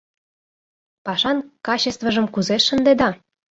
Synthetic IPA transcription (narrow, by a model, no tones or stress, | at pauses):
pɑʃɑnkɑt͡ɕest̪vəʒə̆mkuzeʃːə̆nd̪ed̪ɑ